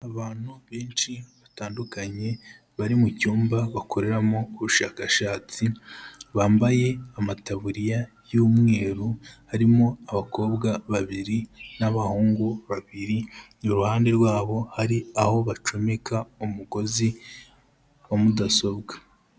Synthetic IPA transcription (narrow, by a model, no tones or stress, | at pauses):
aβaːn̥huβe̞ːnʃiβataːndukaɲe̞ | βaɾimucuːmbaβakʰo̞ɾe̞ɾamoːβuʃaːkaʃaːt͡siβaːmbaje̞amataβuɾija | juːmŋe̞ːɾuhaɾimo̞aβako̞ːbɡaβaβiɾinaβahuːŋɡuβaβiɾi | oɾuhaːnde̞ɾɡwaːβo̞haɾiaho̞βat͡ʃo̞me̞kaumuko̞zi | wamudaso̞bɡa